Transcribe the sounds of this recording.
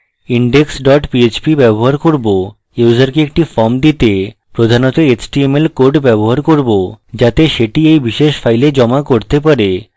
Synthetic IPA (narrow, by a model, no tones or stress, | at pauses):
iɳɖeksɖɔʈpiet͡ɕpibɛboɦaɾkoɾbo | juwd͡ʑaɾkeek̚ʈifɔɾmd̪it̪e | pɾod̪ʱanot̪oet͡ɕʈiemelkoɾɖbɛboɦaɾkoɾbod͡ʑat̪eʃeʈiejbiʃeʃfʰajled͡ʑɔmakoɾt̪epaɾe